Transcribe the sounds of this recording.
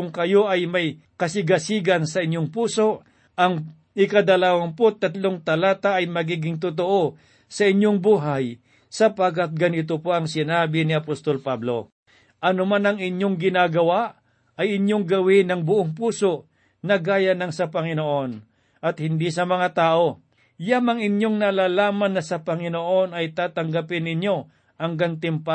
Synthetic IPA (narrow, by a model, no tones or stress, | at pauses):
ʊŋkɐjo̞ʔɐjmɐj | kɐsɪɡɐsiːɡɐnsɐʔɪɲːoŋpuːso̞ʔ | ʔɐŋ | ɪkɐd̪ɐlaːwɐnpot̪ɐt̪lo̞ŋt̪ɐlaːt̪aʔɐjmɐɡiːɡɪŋt̪̬ʊt̪oʔo | sɐɪɲjoŋbuːɦaj | sɐpaɡat̪̚ɡɐnɪt̪̬opo̞ʔɐŋsɪnaːbɪnɪɐpost̪o̞lpablo̞̰ | ʔɐnomanɐŋɪɲjo̞ŋɡɪnaːɡɐwaʔ | ɐjɪɲjoŋɡɐwɪnɐŋbʊʔoŋpuːso̞ʔ | nɐɡaːjɐnɐŋsɐpɐŋɪnoʔo̞n | ʔɐt̪̚hɪnd̪isɐmɐŋat̪aːʔo̞ | jamɐŋɪɲjo̞ŋnɐlaːlaːmɐnːɐsɐpɐŋɪnoʔo̞nɐjt̪aːt̪ɐŋɡapɪnɪɲjo̞ | hɐŋɡant̪ɪmpa